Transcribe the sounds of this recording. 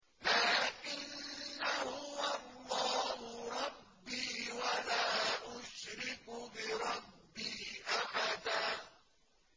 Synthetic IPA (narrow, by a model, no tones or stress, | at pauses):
laːʔɪnːahʊwɑlˤːɑːhʊɾˤɑbːiːwalaːʔʊʃɾɪkbɪɾˤɑbːiːʔaħad̪aː